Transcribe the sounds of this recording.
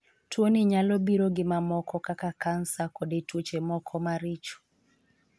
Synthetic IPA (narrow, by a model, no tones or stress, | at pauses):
twoniɲalɔbiɾoɡɪmamɔkɔkakakansakodetwot͡ʃemɔkʰɔmaɾit͡ʃo̥